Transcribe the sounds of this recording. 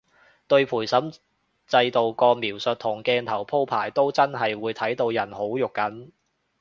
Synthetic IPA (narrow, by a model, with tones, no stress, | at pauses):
t̪ɵ˧ɥpʰuː˨˩jsɐ˨˥m | t͡sɐ˧jt̪o˨wkɔː˧miː˨˩wsɵ˨t̚t̪ʰːʊ˨˩ŋkɛː˧nt̪ʰɐ˨˩wpʰo˥wpʰaː˨˩jt̪o˥wt͡sɐ˥nɦɐ˨jwuː˨˧jt̪ʰɐ˨˥jt̪o˧wjɐ˨˩nho˨˥wjʊ˨kːɐ˨˥n